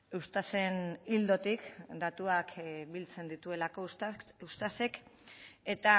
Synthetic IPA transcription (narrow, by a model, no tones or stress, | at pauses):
ust̪ase̞nild̪o̞t̪ikd̪at̪uakbilt͡se̞nd̪it̪ue̞lako̞ust̪ase̞k | e̞t̪a